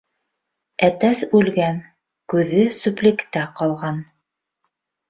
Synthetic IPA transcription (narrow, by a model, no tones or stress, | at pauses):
æt̪æsʉlɡæn | kʉðɘsuplʲikt̪æqɑlˠʁɑn